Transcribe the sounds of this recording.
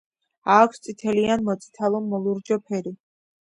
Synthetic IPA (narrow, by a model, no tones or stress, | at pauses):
aːkʷʰst̪sʼit̪ʰɛlianmɔt̪sʼi̥t̪ʰalˠɔmmɔlˠuɾd͡ʒɔpʰɛɾi